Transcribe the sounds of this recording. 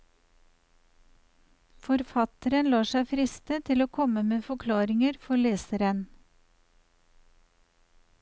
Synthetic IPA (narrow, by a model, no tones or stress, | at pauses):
fɔɾfɑt̪əɾənlɑːʃæɪfɾɪst̪ət̪ʰɪloːkʰɔməmeːfɔkʰlɑːɾɪŋəɾfɔɭeːsəɾən